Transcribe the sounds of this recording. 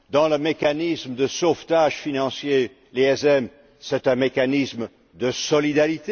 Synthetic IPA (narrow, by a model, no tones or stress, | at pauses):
d̪ɑ̃ləmekanisməd̪əsoft̪aʒfinɑ̃sje | leɛzɛm | sɛt̪ɛ̃mekanism | d̪əsɔlid̪aʁit̪e